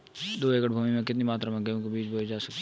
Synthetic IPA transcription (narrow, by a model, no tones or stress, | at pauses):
d̪oːeːkəʈbʱuːmimẽkɪt̪̬nimaːt̪ɾamẽɡəjõkebiːt͡ʃbʱoːid͡ʒaːsɐk